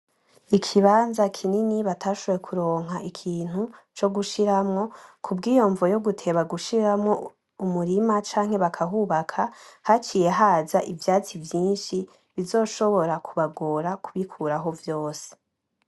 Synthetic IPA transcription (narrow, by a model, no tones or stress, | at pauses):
ikʰiβaːnzakʰininiβatʰaːʃoβjekʰuɾo̞ːŋ̥ɦaʔikʰiːn̥hut͡ʃo̞ɡuʃiɾamŋo̞kʰubɡiːjo̞ɱvojo̞ɡutʰe̞βaɡuʃiɾamŋo̞ | umuɾimat͡ʃaːŋhe̞βakʰaɦuːβakʰahat͡ʃiːje̞ɦaːzaʔivjaːt͡sivjiːnʃi | βizo̞ːʃo̞βo̞ɾakʰuβaɡoɾakuβikʰuːɾaɦo̞vjo̞ːse̥